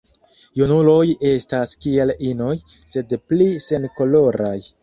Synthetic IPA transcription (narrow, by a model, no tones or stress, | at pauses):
junulo̞je̞staskie̞lino̞j | se̞dplise̞nko̞lo̞ɾaj